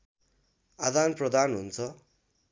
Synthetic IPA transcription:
ad̪anprʌd̪ʱanɦunt͡sʰʌ

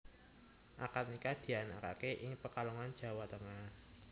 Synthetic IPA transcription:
ʔakat̪nikad̪̥i̤anaka̰keʔɪŋpəkalɔŋand̥ʒ̥a̤wat̪əŋah

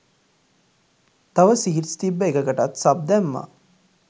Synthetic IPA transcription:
t̪ɐʋəsiɦɾst̪ibːəeɡəɡəʈat̪sab̚d̪ɛmːa̰

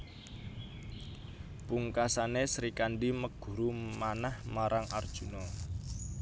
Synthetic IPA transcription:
puŋkasanesɾikanɖiməɡ̥ṳɾumanahmaɾaŋʔard̥ʒ̥ṳnɔ

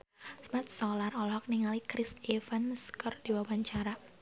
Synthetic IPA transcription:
smat̪̚sɔlarɔlɔɦɔk̚niŋalikɾɪsefanskɔrd̥iwawaɲt͡ʃaɾa

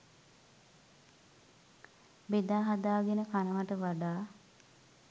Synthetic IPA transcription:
bed̪aːɦad̪aːɡenəkanəʋaʈəʋaɖaː

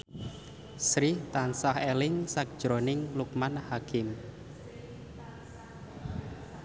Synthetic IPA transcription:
sɾɪht̪ansahelɪŋsak̚d̥ʒ̥ɾɔnɪŋlukmanhakɪm

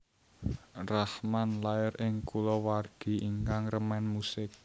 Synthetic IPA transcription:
rahmanlaɪɾɪŋkulɔwarɡ̥i̤iŋkaŋrəmɛnmusɪk̚

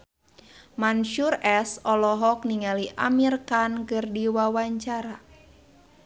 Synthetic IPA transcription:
manʃurɛsɔlɔɦɔk̚niŋaliʔa̰mirkankɨrdiwawaɲt͡ʃaɾa

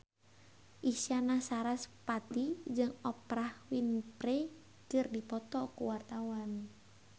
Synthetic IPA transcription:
ʔisianasaɾaspat̪id͡ʒɨŋɔpɾahwinpɾɛ | kɨrdipɔt̪ɔkuwart̪awan

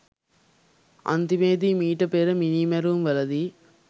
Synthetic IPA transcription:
ɐ̰nt̪imeːd̪imiːʈɐpeːɾɐminimɐɾumʋɐlɐd̪i

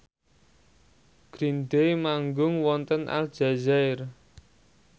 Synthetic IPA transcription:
ɡ̥ɾind̪ejmaŋɡʊŋwɔnt̪ənʔa̰ld̥ʒ̥a̤zaɪr

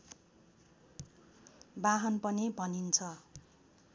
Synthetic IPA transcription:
baɦʌnpʌnibʱʌnint͡sʰʌ

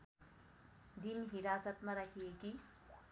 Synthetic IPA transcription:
d̪inɦiɾasət̪mãɾakʰijeki

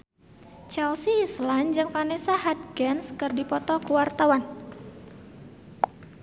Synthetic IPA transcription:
t͡ʃɛlsiːsland͡ʒɨŋfanisaɦat̪̚ɡɛnskɨrdipɔt̪ɔkuwart̪awan

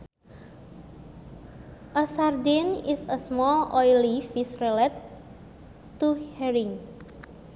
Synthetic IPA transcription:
ʔəsard̪inisəsmɔlɔjlifisrɛlɛt̪ | uhɛɾiŋ

